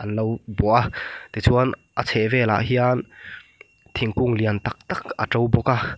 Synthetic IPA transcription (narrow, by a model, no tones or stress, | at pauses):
ʔɐnlowbɔʔat̪it͡sʰunʔət͡sʰɛvɛːla̰ʔɦian | t̪ʰiŋkuŋliənt̪ak̚t̪ak̚ʔə̰ʈ͡ʂowbɔka